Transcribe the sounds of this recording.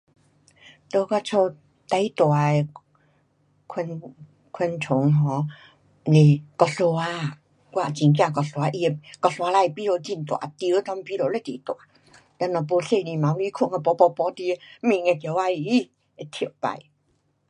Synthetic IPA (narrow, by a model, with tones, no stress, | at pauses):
t̪o˧kɔ˧t͡sʰo˧ | t̪a˧˦ji˦t̪wa˨˦˨ | kʰwə˧n | kʰwə˧nt͡sʰʊ˨˦ŋɦɔ˨˧˦ | ne˧˩kɔ˧so˧wa˧ | kwa˧˨t͡ɕi˨ŋk̬jã˧˨kɔ˧so˧a˧ʔi˧e˧kɔ˧so˧a˧la˧jpi˧˦ɾo˧t͡ɕi˧˨nt̪wa̰˨˧˦t̪i˧˦ə˦t̪ɔ˧˦m˧pi˧˦lo˨˧˦la˧˨t̪e˨˦t̪wa˨˦ | t̪a˧˨nɔ˧˩p̬o˧se˧˨ni˧˨ma˨˦wli˧˦kʰu˧˨ŋa˧pɔ˧pɔ˧pɔ˧˦t̪i˧˦mĩ˧˨ŋe˧˨kjwa˧i˧i˦ | e˧˨t̪ʰi˨ə˨wpa̰˧˨j